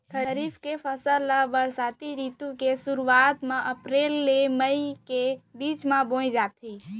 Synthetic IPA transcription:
kʰəɾiːbkepʰəsəlːəbəɾsaːt̪iɾit̪ũkesuɾuaːt̪mẽʔəpɾeːlːeməikebiːt͡ʃmãbõid͡ʒaːt̪ʰi

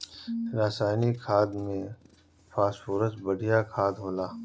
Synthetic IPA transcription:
ɾaːsaːjnikʰaːd̪mẽ | pʰaːsfuɾəsbəɽʱijakʰaːd̪ɦoːlaː

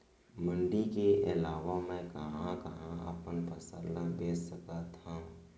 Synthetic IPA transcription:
mə̃ɳɖikeʔɪlaːʋamɛ̃kɐɦãkɐɦãə̰pənpəsəlabeːsəkat̪ʰã

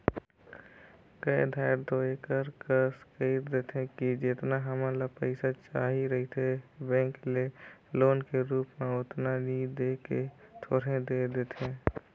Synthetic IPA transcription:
kəed̪ʱaːɾd̪ʱoːekəɾkəskəːt̪d̪eːt̪ʰẽkid͡ʒɪt̪naɦəmãlapəɪsat͡ʃaːɦiɾəɦit̪ʰebɛ̃ːŋkleloːnkeɾuːpmeʊt̪nanid̪eːket̪ʰoːɾẽd̪ed̪eːt̪ʰẽ

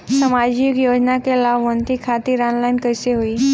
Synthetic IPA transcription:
səmad͡ʑikjod͡ʑnakelaʋənt̪ikʰat̪iɾanlainkəjseɦoiː

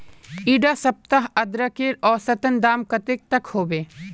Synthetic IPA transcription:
iːɖasɐp̚t̪aɦɐd̪ɾakeːɾɔːɾsɐt̪ənd̪aːmkət̪eːk̚t̪ɐkhoːbeː

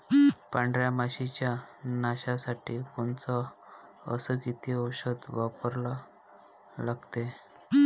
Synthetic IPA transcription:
pãɳɖɾjamaɕit͡ɕjanaɕasaʈiːkont͡sɔ | ə̰səkit̪ʰiəwɕəd̪ʋapəɾla | laɡt̪e

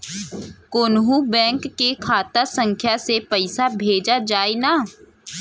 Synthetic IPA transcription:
koːnɦũbɛ̃ːŋkːekʰaːt̪asə̃ŋkʰjasepɐɪsabʱeːd͡ʒad͡ʒaːenaː

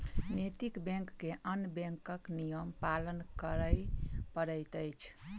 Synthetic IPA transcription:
net̪ikbɛ̃ŋkːeʔənbɛ̃ŋkəknijəmpalənkəɾəjpəɾəjt̪əjt͡ʃʰ

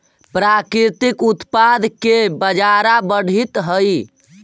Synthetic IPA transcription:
pɾakɾiɾt̪ikut̪pad̪ʱkebəd͡ʒaɾabəɽ̤it̪ɦəj

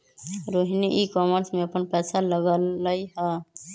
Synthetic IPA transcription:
ɾoɦiniʔikɔməɾsmeəpənpɛsaləɡəlːəjɦə

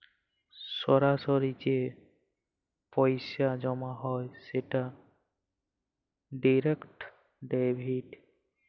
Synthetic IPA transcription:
sɔɾasoɾid͡ʑe | pɔjsad͡ʑɔmaɦɔjseʈa | ɖiɾekʈ | ɖebʱiɖ

